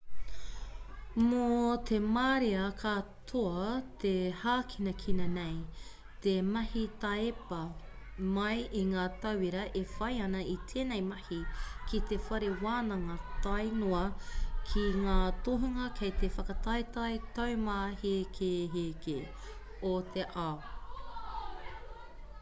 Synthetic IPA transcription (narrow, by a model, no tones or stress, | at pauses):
mot̪ʰemaɾeɐkʰatʰoɐt̪ʰehaːkʰinɐkʰinɐnej | t̪emɐhitɐepɐ | mɐjiŋaːt̪ɐwiɾɐʔefɐjɐnɐit̪ʰeːnejmɐhikit̪efɐɾewaːnɐŋɐtɐjnoɐkʰiŋaːtoɦuŋɐkʰejt̪efɐkɐtɐjtɐjtɐwmaːhekʰeɦeke | otʰeʔa